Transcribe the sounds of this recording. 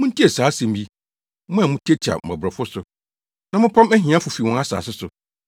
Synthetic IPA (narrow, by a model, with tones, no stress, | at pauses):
mʊ̃˦tʰi˦ɛ˨saː˨˦sɛ̃˨m˦bi˦ | mʊ̃˦a˨mʊ̃˦tʰi˦ɛ˦t͡ɕʰa̰˨m̩˨a̰˨bɾɛ˨fʊ˦sʊ˨ | nã˨mʊ̃˦pʰã˦mɛ˦ɦĩ˨ã˦fʊ˨fi˨wɔ̃˦a˦sa̰ː˨sɪ˦sʊ˨